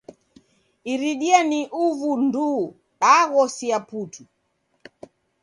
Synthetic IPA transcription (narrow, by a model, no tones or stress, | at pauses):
iɾiɗianiʔuvundu | ɗaɣɔsiapuːtʰu